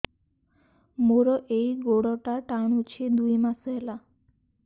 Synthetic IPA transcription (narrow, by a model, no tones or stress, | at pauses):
moɾɔʔejɡoɽɔʈaʈaɽ̃ũt͡ʃʰed̪ujmãsəɦela